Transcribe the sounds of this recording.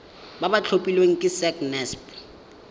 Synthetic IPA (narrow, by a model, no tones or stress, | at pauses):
babat͡ɬʰopʼilweŋ̩kʼɪsɛknɛsp